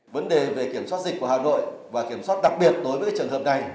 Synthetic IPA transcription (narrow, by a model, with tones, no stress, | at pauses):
və˨˦nɗe˨˩ve˨˩ki˧˩əmswa˦˥t̚zi˨˩k̚ku˧˩əha̰ː˧˨no̰˧˨jvaː˨˩ki˧˩əmswaː˦˥t̚ɗa˨˩k̚ɓi˨˩ət̚ɗo˨˦jvəː˧˦jt͡ɕɨː˨˩ənhəː˨˩p̚na˨˩j